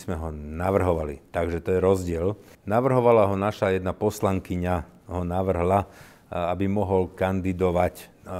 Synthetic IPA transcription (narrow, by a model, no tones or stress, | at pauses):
zmɛɦɔnaʋr̩ɦɔʋalḭt̪aɡʒɛt̪ɔjɛɾɔzɟɪɛl | naʋr̩ɦɔʋalaɦɔnaʃajɛd̪napɔslaŋkiɲaɦɔnaʋr̩ɦla | abimɔɦɔlkand̪id̪ɔʋac